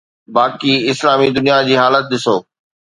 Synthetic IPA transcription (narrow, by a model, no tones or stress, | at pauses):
baːkiɪslaːmid̪ʊnijad͡ʑiːɦaːlət̪̚ɗ̪ɪsoː